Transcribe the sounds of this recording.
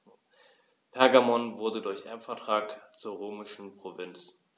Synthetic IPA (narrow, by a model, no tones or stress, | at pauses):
pʰɛɐɡamɔnvʊɐdədʊɐçʔɛɐmfɛɐtʁ̥aːkt͡suːɐʁoːmɪʃn̩pʁ̥ovɪnt͡s